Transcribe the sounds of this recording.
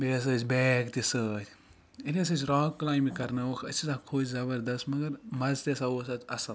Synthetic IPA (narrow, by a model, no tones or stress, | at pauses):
beːs̬əːt͡ʃʲbɛːkt̪isəːt̪ʰʲ | iles̬ɐːt͡ʃɾɔːkːlaːjmikɐɾnɐʋɐkʰɐt͡ʃʰisãkʰoːt͡ʃzɐbəɾd̪ɐst̪mɐɡɐɾmɐzt̪esaoːsɐt̪ɐsɐl